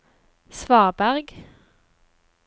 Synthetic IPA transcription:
sʋɑːʁbæʁɡ

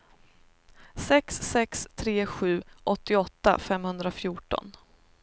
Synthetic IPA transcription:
sɛksːɛkst̪ʰɾeːɧʉ̟ːʔɔt̪ːɪɔt̪ːa̰fɛmhɵnd̪ɾafjuːʈɔ̰n

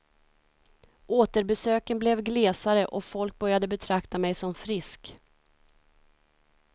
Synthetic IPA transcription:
ʔoːt̪əɾbɛsøːkənblɛvɡleːsaɾəʔɔfɔlk̚bœɾjad̪əbɛt̪ʰɾakt̪amɛjsɔmfɾɪsk

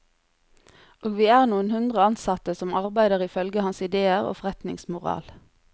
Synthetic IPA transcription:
ʔoːɡʋiːæːʁnuːənhʉnd̪ʁəɑnsɑt̪əsɔmɑʁbæɪd̪əʁɪfœlɡəhɑnsɪd̪eːəʁo̰ːfɔʁɛt̪nɪ̰ŋsmʊʁɑ̰ːl

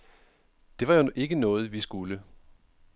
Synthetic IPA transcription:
d̥e̝ʋɑ̈joʔe̝ɡ̥ənɔ̽ːð̞̩ˠʋisɡ̥ulə

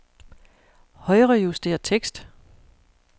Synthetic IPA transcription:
hɒ̽ɪʁəjusd̥e̝̰ːɐt͡sʰeɡ̥sd̥

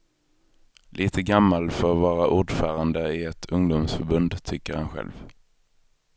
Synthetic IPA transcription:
lʔiːt̪ʰəɡamːalfœɾvɑːɾaʔuːɖfœːɾand̪əɪɛt̪ʰɵŋd̪ʊmsfœɾbɵnd̪t̪ʰʏkːəɾhanɧɛ̰lv

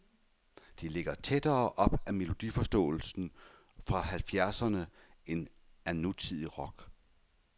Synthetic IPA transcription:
d̥e̝le̝ɡ̥ɐt͡sʰed̥ɐːʔɒ̽b̥æme̝lo̝d̥ifɒ̽sd̥ɔ̰̽ːl̩sn̩ | fʁɑ̈hælfjæɐsɐnə | e̝n | ænut͡sʰið̰ˠiʁɒ̽ɡ̥

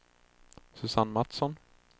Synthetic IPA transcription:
sɵsanːmat̪sɔn

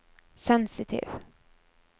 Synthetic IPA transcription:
sɛnsɪt̪ʰḭːv

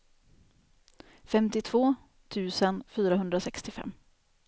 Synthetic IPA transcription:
fɛmt̪ɪt̪ʰvoː | t̪ʰʉ̟ːsənfyːɾaɦɵnd̪ɾasɛkst̪ɪfɛ̰mː

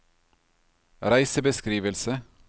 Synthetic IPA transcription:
ɾæɪsəbəskɾiːʋəlsə

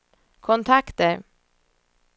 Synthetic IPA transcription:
kʰʊnt̪ʰɑkt̪əɾ

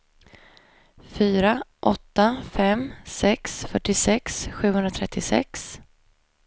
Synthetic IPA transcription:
fyːɾaʔɔt̪ːafɛmsɛksfœʈːɪsɛksɧʉ̟ːhɵnɾat̪ʰɾɛt̪ʰːɪsɛ̰ks

